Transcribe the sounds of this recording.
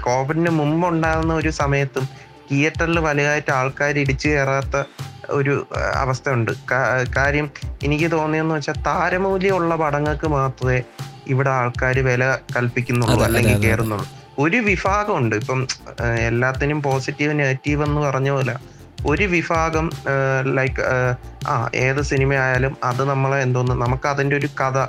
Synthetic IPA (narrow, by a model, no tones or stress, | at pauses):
ko̞ːbɐndemumbuɳɖaːɾunːɐo̞ɾusɐmɐjɐt̪ːum | kijɐtːɐlɨʋɐlɐjaːjtːɨaːɭkaːɾiɽit͡ɕːɨe̞ːraːt̪ːɐo̰ɾuɐ̰ʋɐst̪ʰɐuɳɖɨ̰kakaːɾjɐmenikʲːɨt̪o̞ːnːijenːuʋɐt͡ɕːaːlt̪aːɾɐmuːljɐuɭːɐpɐɽɐŋːɐkːɨmaːt̪rɐðe̞iʋiɽe̞aːɭkaːɾɨʋelɐkɐlpikʲːunːuɭːuɐlːe̞ŋɡilke̞ːrunːuɭːu | o̞ɾuʋifaːɣɐmuɳɖɨipːɐme̞lːaːt̪ːinumpo̞ːsitːiʋɨneːtːiːʋe̞nːɨpɐrɐɲːulɐ | o̞ɾuʋifaːɣɐmlɐjkː | a̰ːʔe̞ːðɨsinimɐjaːjaːlumɐðɨnɐmːɐɭend̪oːnːɨnɐmukːɨɐðinde̞o̞ɾukɐðɐ